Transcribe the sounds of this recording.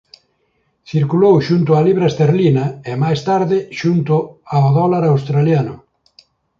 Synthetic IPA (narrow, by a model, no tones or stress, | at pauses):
θiɾkulowʃunt̪ʊaliβɾaest̪eɾlinɐemajst̪aɾðɪʃunt̪ʊaoðɔlaɾawst̪ɾaljanʊ